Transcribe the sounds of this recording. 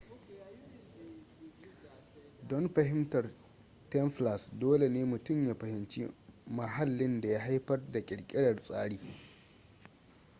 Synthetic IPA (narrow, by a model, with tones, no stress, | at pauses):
dɔ˦nɸɐ˨ɦɪ˦mtɐ˨r | tɛ˦mɸla˨sdoː˦le˨neː˦mʊ˨tʊ˦˨mja˦ɸɐ˨hɪ˨nt͡ʃḭ˦mɐ˨ɦa˦lːɪ˦nda˨ja˦ɦa˦jɸɐ˦rda˨kʲʼɪ˨ɽkʲʼɪ˦ɽɐ˨rsʼaː˦ɽiː˨